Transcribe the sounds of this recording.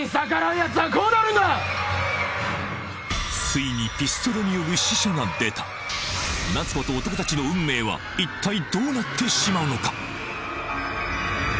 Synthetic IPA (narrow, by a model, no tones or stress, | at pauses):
sakaɾajat͡sɨɡakoːnaɾɯ̟̃nd̪a | sɨiɲ̟ipʲisɨ̥t̪o̞ɾɯɲ̟ijo̞ɾɯ̟ɕiɕaɡad̪e̞t̪ḁ | nat͡sɨ̥ko̞t̪o̞ːt̪o̞ko̞t̪at͡ɕino̞ɯ̟̃mːe̞ːβa̰ | it̪ːaid̪o̞ːnat̪ʰːe̞ɕimaɯ̟no̞kḁ